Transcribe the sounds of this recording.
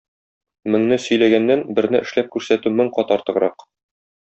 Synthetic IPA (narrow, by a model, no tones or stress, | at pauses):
mɘ̆ŋnɘsɵ̆jlæɡænːænbɘ̆ɾnɘʔɘ̆ʃlæp̚kʉɾsæt̪ʉmɵŋqɒt̪ɑɾt̪ɤ̆ʁɾɑq